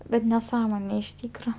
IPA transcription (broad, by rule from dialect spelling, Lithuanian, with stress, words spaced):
ˈbʲɛt nʲɛˈsɑːmoːnʲeː ɪʃ ˈtʲiːkroː